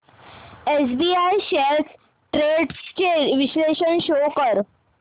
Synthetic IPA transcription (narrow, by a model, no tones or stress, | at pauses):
esbiːajɕelt̪ʰ | ʈɾeɖst͡ɕeʋisleɕənɕokəɾ